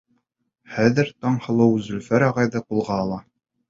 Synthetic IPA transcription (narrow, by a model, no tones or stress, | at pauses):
χæðɘ̆ɾt̪ɑɴhɤ̆lˠɤwzɵ̆lfæɾɑʁɑjðɤqulˠʁɑːlˠɑ